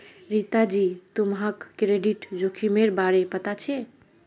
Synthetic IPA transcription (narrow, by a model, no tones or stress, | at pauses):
ɾit̪ad͡ʒit̪umɦãkːɾeɖiʈd͡ʒokʰimeɾbaɾepət̪at͡ʃʰɛ